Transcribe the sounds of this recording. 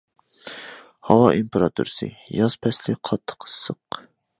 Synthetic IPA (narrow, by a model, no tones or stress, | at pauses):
hɑwɑʔimpeɾɑt̪ʰṵɾɨsɨ̰jɑz̥pʰɛslɪqʰɑt̪ʰːə̥qʰə̥sːəq